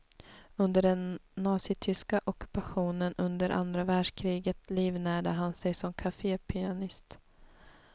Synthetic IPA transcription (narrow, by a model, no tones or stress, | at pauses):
ɵnd̪əɖɛnːɑːsɪt̪ʰʏskaʔɔkɵ̥paɧuːnənɵnd̪əɾʔa̰nd̪ɾavæːɖʂkʰɾiːɡət̪liːvnæːɖəɦansɛjsɔmkʰafeːpʰɪanɪst̪